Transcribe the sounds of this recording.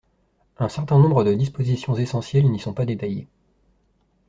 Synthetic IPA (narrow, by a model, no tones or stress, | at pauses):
ɛ̃sɛʁt̪ɛ̃nɔ̃bʁəd̪əd̪ispozisjɔ̃zesɑ̃sjɛlnisɔ̃pad̪et̪ajḛ